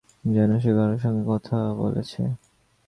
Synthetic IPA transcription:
d͡ʑanoʃeɡaɾeɾʃɔŋɡekɔt̪ʰabo̰lḛt͡ɕʰḛ

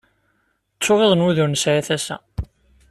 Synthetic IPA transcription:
t͡sːʊʁeðˤənuðʊɾnəsʕæθæsæ̰

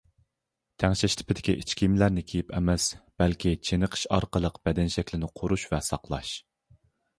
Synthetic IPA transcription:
t̪ʰæŋʃɛʃt̪ʰɪ̥pʰɪd̪ɪkʲiʔit͡ʃkʲimlæɾnɪkʲʰejipɛ̰mɛsb̥ɛlkʲʰit͡ʃʰenəqʰə̥ʃɑ̰ɾqəlˠəqb̥ɛd̪ɛnʃɛkʲlɪnɪqʰoɾuʃvɛsɑqlˠɑ̰ʃ

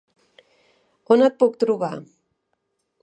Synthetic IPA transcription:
onət̪̚puk̚t̪ɾuβa

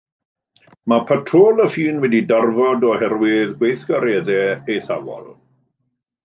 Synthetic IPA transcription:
mapʰətʰroːlˠəfiːnwɛdidarvɔdɔhɛrwɪðɡwejθɡaɾɛðɛejθavɔ̰lˠ

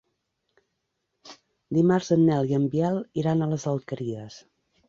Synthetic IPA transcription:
d̪imaɾzənːɛliəmbiɛlˠiɾanələzəlˠkəɾiəs

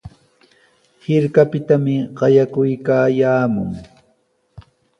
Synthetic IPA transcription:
hɪɾkapɪt̪amɪɢɑjakʊjkaːjaːmʊŋ

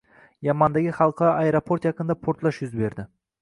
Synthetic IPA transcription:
jɑmɑnd̪aɡʲɪχɑlˠqʰɑʔaeɾopʰo̞ɾt̪jɑkənd̪apʰoɾt̪lˠɑʃjʊzbe̞ɾd̪ɪ

